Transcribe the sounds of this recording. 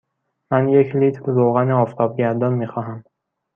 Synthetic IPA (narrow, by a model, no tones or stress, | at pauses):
mænjekʰlit̪ʰɾɾoɣæniɒːft̪ʰɒb̚ɟæɾd̪ɒnmixɒːɦæm